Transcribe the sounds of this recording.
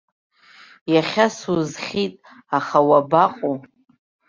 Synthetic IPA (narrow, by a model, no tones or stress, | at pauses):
jaχʲasuzχʲitʼ | aχawabaqʼu